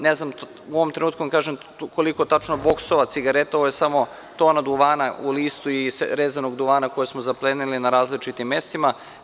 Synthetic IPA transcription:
neznam | uoʋomt̪ɾenuːt̪̚kuakaːʒem | ko̞liko̞t̪at͡ʃnobo̞ksoʋat̪siɡaɾe̞t̪aoojesamo̞ | t̪o̞ːnad̪uʋaːnauliːst̪uisɾeːzano̞ɡd̪uʋaːnako̞jesmozaplenilinaɾaːzlit͡ʃit̪imːje̞st̪ima

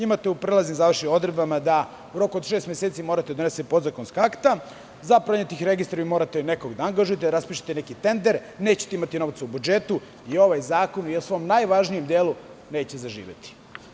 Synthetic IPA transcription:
imat̪eupɾelaznimzaʋrʃio̞d̪ɾed̪bamad̪a | uɾo̞kud̪ʃeːst̪mʲjeset̪simoɾat̪ed̪one̞sepo̞d̪zakonskaakt̪a | zapɾaɲet̪ixɾe̞ɡist̪ɾaimo̞ːɾat̪ene̞koɡd̪aaŋɡaʒujet̪eɾaspiːʃtḁt̪enekit̪e̞nd̪eɾne̞ːt͡ɕe̥t̪imat̪ino̞ʋt̪saubud͡ʒe̞t̪u | io̞ʋajzaːko̞nujesʋo̞mnajʋaʒnije̞md̪eːlu | ne̞ːt͡ɕezaʒḭːʋḛt̪i̥

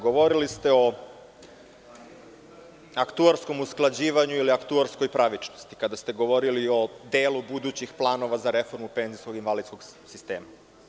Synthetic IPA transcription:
ɡo̞ʋo̞ɾilist̪e̞o̞ | akt̪uaɾsko̞musklˠad͡ʑiːʋaɲuiliakt̪uaɾsko̞jpɾaʋit͡ʃnost̪i̥kad̪ast̪e̞ɡo̞ʋo̞ɾilio̞d̪eːlubud̪uːt͡ɕixplˠaːno̞ʋazaɾe̞fo̞ɾmupe̞nzisko̞ɡinʋalid̪sko̞ɡsist̪e̞̰ːma

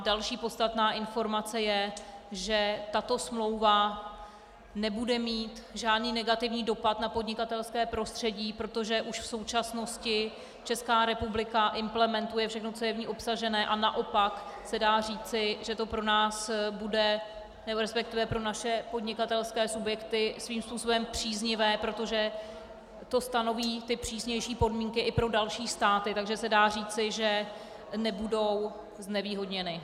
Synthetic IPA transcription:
dalʃiːpo̞tst̪at̪naːʔɪnfo̞ɾmat͡sɛjɛʒɛt̪at̪o̞smlo̞wva | nɛbudɛmiːt̪ʒaːdniːnɛɡat̪ɪvɲiːdo̞pat̪napo̞dɲɪkat̪ɛlskɛːpɾo̞st̪r̥ɛɟiːpɾot̪o̞ʒɛʔuʃfso̞wt͡ʃasno̞scɪ | t͡ʃɛskaːɾɛpublɪkaʔɪmplɛmɛnt̪ujɛfʃɛxnot͡so̞jɛvɲiːʔo̞psaʒɛnɛːʔanaʔo̞paksɛdaːr̝iːt͡sɪʒɛt̪o̞pɾo̞naːsbudɛ | nɛboɾɛspɛk̚t̪ɪvɛpɾo̞naʃɛpo̞dɲɪkat̪ɛlskɛːsubjɛkt̪ɪsviːmspuːso̞bɛmpr̝̥iːzɲɪvɛːpɾo̞t̪o̞ʒɛ | t̪o̞st̪ano̞viːt̪ɪpr̝̥iːsɲɛjʃiːpo̞dmiːŋkɪʔɪpɾo̞dalʃiːst̪aːt̪ɪt̪aɡʒɛsɛdaːriːt͡sɪʒɛ | nɛbudo̞w | znɛviːɦo̞dɲɛnɪ

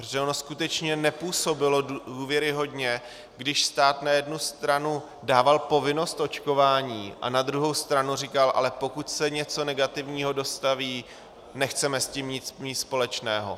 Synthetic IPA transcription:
ɾoʒɛonoskut̪ɛt͡ʃɲɛnɛpuːso̞bɪlo̞duːvjɛɾɪɦo̞dɲɛ | ɡdɪʃst̪aːt̪najɛdnust̪ɾanu | daːvalpo̞vɪno̞st̪ʔo̞t͡ʃko̞vaːɲiːʔa̰nad̪ɾuɦo̞wst̪ɾanurikalʔa̰lɛpo̞kut̪sɛɲɛt͡so̞nɛɡat̪ɪvɲiːɦo̞do̞st̪aviː | nɛxt͡sɛmɛsciːmɲɪt͡smɪspo̞lɛt͡ʃnɛːɦo̞̰

